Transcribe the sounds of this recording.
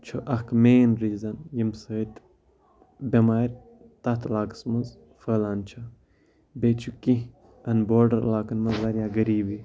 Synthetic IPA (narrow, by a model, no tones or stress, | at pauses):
t͡ʃʰoʔɐhkmeːnɾiːzɐnjimsəːt̪ | bʲɐmaːɾʲ | t̪ɐt̪ʰlaːkə̥smɐz | fəːlaːnt͡ʃʰa | bet͡ʃʰukĩ | ɐnboːɾɖɐɾlaːkɐnmɐzɐɾjaːɡɐɾiːbi